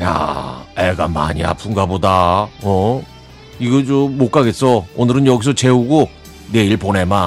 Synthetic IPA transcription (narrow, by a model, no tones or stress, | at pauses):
ja̰eɡama̰ɲḭa̰pʰuŋɡabodaʌ | iɡʌt͡ɕoːok͈aɡes͈ʌonɯɾɯnjʌɡis̬ʰʌt͡ɕe̞uɡo | ne̞iɭpone̞ma